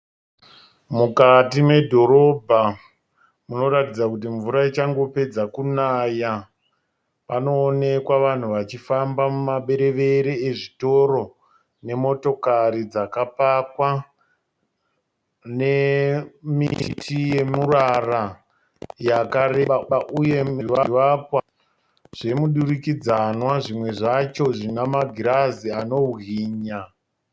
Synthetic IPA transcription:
mukatimwe̞dʱo̞ɾo̞bʱa | muno̞ɾatid͡zakut̬iɱvuɾait͡ʃaŋɡo̞pe̞d͡zakunaja | pano̞ːne̞kwaʋan̤uʋat͡ʃifambamumaɓe̞ɾe̞ʋe̞ɾeːʐito̞ɾo̞ | ne̞mo̞to̞kaɾid͡zakapakwa | ne̞ | mitʰije̞murara | jakaɾeɓaɓaʔuje̞miʋaʋakwa | ʐ̥e̞muɗuɾikid͡zanwaʐimwe̞ʐat͡ʃo̞ʐinamaɡʱiɾaziano̞wiːɲa

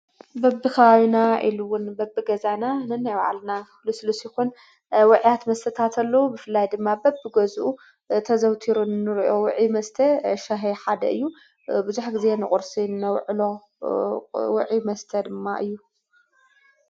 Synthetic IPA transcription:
bɐbːɨkʰɐβawinaʔḭlwʊnbɐbːɨɡɐzananɨnːajwa̰ʕlnakɨluslɐsjɪxun | wʊʕjat̪mɐst̪ʰɐt̪ʰat̪ʰɐlːɐwubɨfɨlːajd̪ɨmːabɐbːɨɡɐzuʔu | t̪ʰɐzɐwt̪ʰiɾunnɨɾʔo̞wʊʕimɐst̪ʰɐʃɐɦeħad̪ɐɨjːu | bɨzuħɡɨze̞nɨkʼʊ̰ɾsinːɐwʕɨlo̞ | wʊ̰ʕimɐst̪ʰɐd̪ɨmːaʔɨjːu

